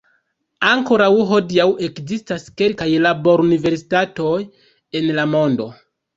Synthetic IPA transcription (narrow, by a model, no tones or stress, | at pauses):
aŋko̞ɾawɦo̞diawʔe̞kzistaske̞lkajlabo̞ɾunive̞ɾsi̥tato̞j | e̞nlamo̞ndo̞